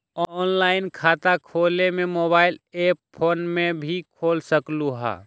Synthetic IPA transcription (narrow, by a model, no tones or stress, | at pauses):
ɔːnlaːɪnkʰaːt̪akʰoːlemẽmoːbaːɪleːppʰoːnmẽbʱikʰoːlsəkluɦa̰ː